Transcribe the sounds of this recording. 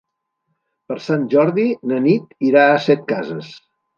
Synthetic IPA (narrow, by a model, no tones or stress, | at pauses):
pəɾsanʒɔɾðinənit̪iɾaəsɛt̪̚kazəs